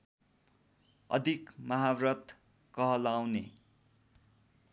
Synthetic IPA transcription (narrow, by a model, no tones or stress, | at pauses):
ʌ̰d̪ʱikmʌɦarʌt̪ | kʌɦʌlawne